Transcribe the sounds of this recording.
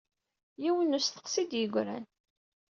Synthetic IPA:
jiwənusθə̥qsid̪jəɡʷɾæ̰n

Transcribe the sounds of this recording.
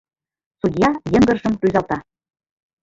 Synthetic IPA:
sud̪ʲjɑjə̆ŋɡɤ̆rʒɤ̆mɾyzɑlt̪ɑ

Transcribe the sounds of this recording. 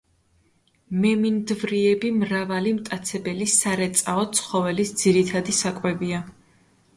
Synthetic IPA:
mɛmind̪vɾiɛbimɾavalimt̪ʼat̪sʰɛbɛlisaɾɛt̪sʼaɔt̪sʰχɔvɛlisd̪ziɾit̪ʰad̪isakʼwɛbia

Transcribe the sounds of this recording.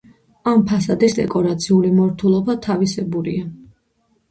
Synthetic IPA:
ampʰasad̪isd̪ɛ̰kʼɔɾat̪sʰiulimɔɾt̪ʰulˠɔbat̪ʰavisɛbuɾḭa

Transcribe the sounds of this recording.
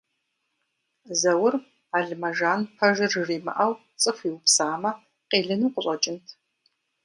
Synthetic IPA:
zɐwʊr | aːɮmɐʒaːnpʰɐʒɨrriːmɐ̰ʔɐw | t͡sʼɨfiwʊpsaːmɐ | qeːɮɨnuːqʷʊɕʷʼɐt͡ʃʼɪntʰ

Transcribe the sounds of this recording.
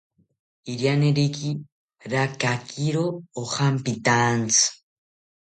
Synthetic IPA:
iɾjaneɾiki | ɾakakʰiɾoːhampit̪ant͡sɨ̥

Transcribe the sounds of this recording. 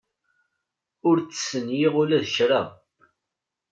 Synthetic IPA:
ʊɾt͡sːə̥sənjɪʁʊlæðəʃɾa

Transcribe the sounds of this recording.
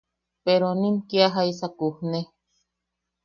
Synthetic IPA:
peɾonĩmkiaɦaisakuhne

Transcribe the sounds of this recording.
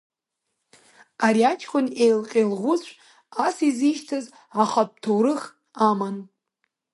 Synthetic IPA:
aɾiat͡ʃʰʼkʲʷʰʼʊnejlqʲʼelʁʷʊzʷ | asiziʃtʰaz | aχatʰowɾɨχ | aman

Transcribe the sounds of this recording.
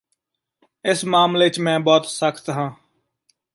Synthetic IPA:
ɪsmaːmleɪt͡ʃmɛ̃ːbɔːt̪səkʰt̪ɦãː

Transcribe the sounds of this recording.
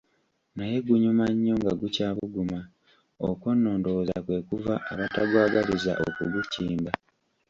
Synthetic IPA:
naje̞ɡuɲumaɲːo̞ŋɡaɡucaːβuɡuma | okwo̞nːo̞ːndoza̰kwe̞kuvaːβataɡwaːɡaliza̰ʔo̰kuɡuciːmba

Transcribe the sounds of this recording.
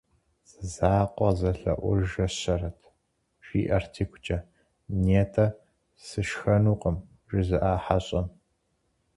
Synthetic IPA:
zɨzaːqʷʼɔzɐɬɐ̰ʔʷʊʒɐɕɐrɐtʰ | ʃiːʔɐrtʰiːkʷʰʊt͡ʃʼɐ | neːtʰɐ | sɨʃxɐnuːqʼəm | ʒɪzɨʔaːħaɕʼɐm

